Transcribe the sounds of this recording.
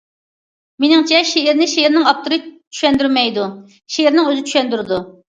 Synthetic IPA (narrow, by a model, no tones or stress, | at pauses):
menɪŋt͡ʃʰɛʃeɪɾnɪʃeɪɾnɪŋɑp̚t̪ʰuɾɨt͡ʃʰy̥ʃɛnd̪yɾmɛjd̪u | ʃeɪɾnɪŋøzɪt͡ʃʰy̥ʃɛnd̪yɾɪd̪u